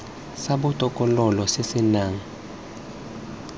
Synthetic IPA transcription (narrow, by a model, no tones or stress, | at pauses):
saɓutʼɔkʼɔlɔlɔsesinaːŋ̩